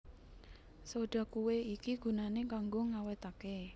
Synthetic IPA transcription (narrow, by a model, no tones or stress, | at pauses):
soɖ̥a̤kuweikiɡ̥ṳnanekaŋɡoŋawet̪ake